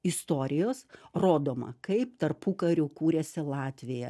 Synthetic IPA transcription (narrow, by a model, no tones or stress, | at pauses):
ɪst̪oːɾʲɪjoːsroːd̪oːmɐ̰kɐɪpt̪ɐrpukɐɾʲʊkuːɾʲɛsʲɪlˠɑːt̪ʲʋʲɪjɛ